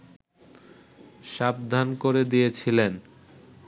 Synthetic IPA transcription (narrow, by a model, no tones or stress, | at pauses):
ʃab̚d̪ʱankoɾed̪ijet͡ɕʰilen